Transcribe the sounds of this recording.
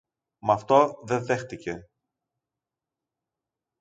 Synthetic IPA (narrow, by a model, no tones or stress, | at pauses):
mɐft̪o̞ðeðe̞xt̪ice̞